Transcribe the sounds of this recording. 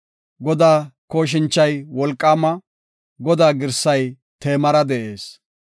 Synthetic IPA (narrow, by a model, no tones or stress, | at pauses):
ɡɔd̪aːkoːʃ̬ɪnt͡ʃːɐjwɔlkʼːaːmɐ | ɡɔd̪aːɡɪɾsɐj | t̪e̞ːmɐɾɐd̪ɛʔe̞ːs